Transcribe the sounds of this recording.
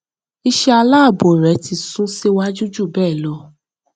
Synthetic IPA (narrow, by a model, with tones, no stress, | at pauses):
i˧ʃɛ˧a˧la˦˨bo˨ɾɛ˨˦ti˧˨sũ˦se˦wa˦d͡ʒu˦d͡ʒu˦˨bɛː˦˨lɔ˧˦